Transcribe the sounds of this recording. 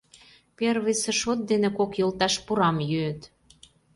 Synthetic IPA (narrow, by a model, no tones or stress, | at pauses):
perβisĕʃot̪̚d̪enĕkokjolt̪ɑʃpuɾɑmjøːt̪